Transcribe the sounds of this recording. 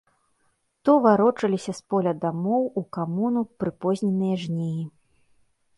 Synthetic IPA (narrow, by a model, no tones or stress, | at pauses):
t̪ɔvaɾɔt͡ʂɐlʲisʲɐspɔlʲɐd̪amɔwukamunupɾɨpɔzʲnʲɛnɨjɐʐnʲeji